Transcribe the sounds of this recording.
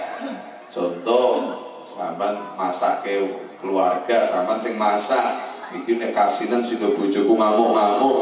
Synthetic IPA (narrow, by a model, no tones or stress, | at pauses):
ʒ̥ɔnt̪ɔ | sampanmasakekəluarɡ̥a̤sampansɪŋmasaʔikinekasinənsind̪ɔɡ̥ṳd̥ʒ̥ɔ̤kumawɔʔmawɔ